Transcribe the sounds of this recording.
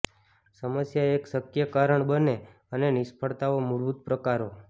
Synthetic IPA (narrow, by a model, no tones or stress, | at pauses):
səməsjaeksəkjəkaɾəɳbəne | ənenɪspʰəɭt̪aʋomuɭbut̪̚pɾəkaɾo